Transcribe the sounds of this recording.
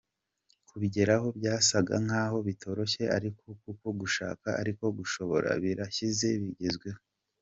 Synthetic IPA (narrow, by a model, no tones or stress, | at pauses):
kuβiɟe̞ɾaɦo̞bjaːsaɡa̰ŋ̥aːɦo̞βitʰo̞ɾo̞çeʔaɾikokukoɡuʃa̰ːkaaɾiko̞ɡuʃo̞βo̞̰ɾa̰βiɾaçize̞βiɟezɡwe